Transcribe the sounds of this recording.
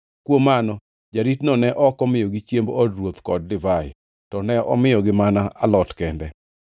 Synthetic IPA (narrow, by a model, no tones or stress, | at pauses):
kwomanɔ | d͡ʒaɾitnɔnɛʔɔkɔmɪjɔɡɪt͡ʃjembɔdɾwot̪kɔd̚lɪvajɪ̰ | tɔnɛʔɔ̰mɪjɔɡɪmanaalɔtkɛndɛ